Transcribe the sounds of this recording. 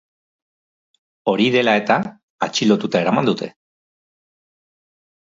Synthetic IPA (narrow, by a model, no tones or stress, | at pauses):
o̞ɾiðe̞lae̞t̪aː | t͡ʃilo̞t̪ut̪ae̞ɾamand̪ut̪ʰe̞̰